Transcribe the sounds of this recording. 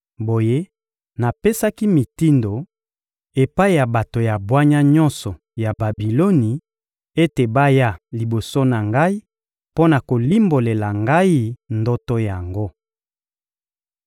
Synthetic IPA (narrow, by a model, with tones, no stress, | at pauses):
bo˨je˦ | na˨pe˦sa˦ki˦mi˨ti˦ndo˨ | e˨pa˦i˦˨ja˨ba˨to˨ja˨bwa˦ɲa˦ɲɔ˦nsɔ˨ | ja˨ba˨bi˨lo˦ni˨ | e˦te˨ba˦ja˦li˨bo˨so˦na˨ŋɡa˦i˦ | po˦na˨ko˨li˦mbo˨le˨la˨ŋɡa˦i˦ndɔ˦tɔ˦ja˨ŋɡo˦